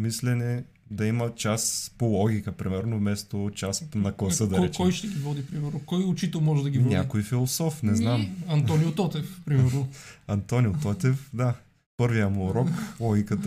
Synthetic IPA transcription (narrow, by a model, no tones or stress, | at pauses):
mislɛnɛ | d̪ɐimət͡ʃaspolˠɔɡʲikəpɾimɛɾnovmɛst̪ot͡ʃasnɐklˠɐsəd̪ɐɾt͡ʃkɔjʃt̪ɛɡʲivɔd̪ipɾimɛɾnokɔjʊt͡ʃit̪ɛlˠmɔʒɛd̪ɐɡʲinʲakojfilˠosɔfnɛznamɐnt̪ɔnijʊt̪ɔt̪ɛfpɾimɛɾnoɐnt̪ɔnijʊt̪ɔt̪ɛfd̪a | pɤɾvijəmuɾɔklˠɔɡʲikət̪